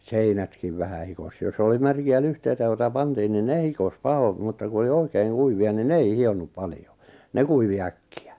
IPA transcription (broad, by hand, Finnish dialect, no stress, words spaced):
seinætkiʋ ʋæhæ hikos jos oli mærkiæ lyhteitæ joitɑ pɑntiːn nin ne hikos pɑhom mutːɑ ku oli oikeiŋ kuiʋiɑ nin ne ei hionːup pɑljo ne kuiʋi ækːiæ